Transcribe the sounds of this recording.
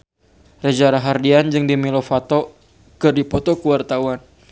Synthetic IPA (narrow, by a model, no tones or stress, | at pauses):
rɛd͡ʒaɾaɦardiand͡ʒɨŋdimilɔfat̪ɔ | kɨrdipɔt̪ɔkuwart̪awan